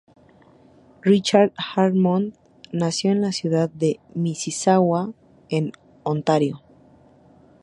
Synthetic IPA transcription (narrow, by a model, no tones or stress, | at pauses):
rit͡ʃaɾd̪xaɾmon | nasjo̞enlasjuðaðːe̞misisawa | en | ont̪aɾjo